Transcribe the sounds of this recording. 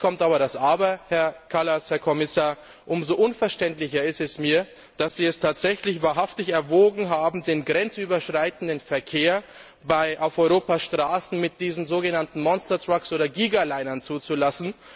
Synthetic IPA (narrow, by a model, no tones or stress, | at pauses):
kʰɔmtaːbɐɾasʔaːbɐhɛɐkʰalashɛɐkʰɔmɪsaːɐ | ʔʊmzoʔʊnfɛɐʃtɛntlɪçɐɪstɛsmiːɐ | d̥asz̥iːɛstʰaːtz̥ɛçlɪçvaːɐɦaftɪçɛɐvoːɡŋ̩ɦaːbm̩deːnɡʁɛnt͡sʔyːbɐʃʁ̥aɪtn̩dənfɛɐkʰeːɐ | baɪʔaʊfʔɔʏʁoːpaʃtʁ̥aːsn̩mɪt̚d̥iːzn̩zoːɡənantn̩mɔnstɐtʁ̥aksʔoːɾɐɡiːɡalaɪnɐnt͡suːt͡sulasn̩